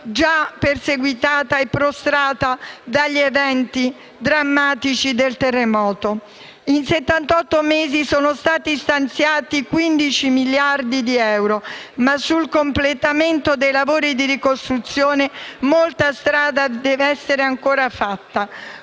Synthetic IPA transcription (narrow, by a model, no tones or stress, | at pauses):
d͡ʒaperseɡwit̪aːt̪aepːɾost̪ɾaːt̪ad̪aʎːievɛnt̪i | d̪ɾamːaːt̪it͡ʃid̪elt̪erːemɔːt̪o | inset̪ːant̪ɔt̪ːomeːzisɔːnost̪aːt̪ist̪ant̪sjaːt̪ikwind̪it͡ʃimiljard̪id̪iɛwɾomasːulkomplet̪ament̪od̪ejlavoːɾid̪iɾikost̪ɾut̪sːjoːnemolt̪ast̪ɾaːd̪ad̪ɛveɛsːeɾeaŋkoːɾafat̪ːa